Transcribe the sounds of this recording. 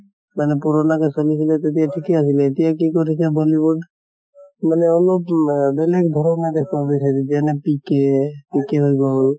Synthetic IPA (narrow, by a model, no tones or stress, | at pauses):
manɛpuɾɔnakɛsolisilɛt̪et̪̬ijaʈʰikɛasilɛet̪ijakikɔɾisɛbɔlibuɖ | manɛɔlɔpbɛlɛk̚d̪ʱɔɾɔnad̪ekʰbabisadid͡ʒianɛpikepikɛɦojɡɔl